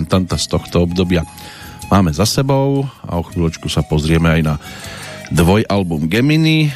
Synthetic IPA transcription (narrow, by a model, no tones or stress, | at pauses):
nt̪ant̪ast̪ɔxt̪ɔɔbd̪ɔbɪa | maːmɛzasɛbɔʊa̰ɔxʋiːlɔt͡ʃkusapɔzɾɪɛmɛajna | d̪ʋɔjʔalbumɡɛmini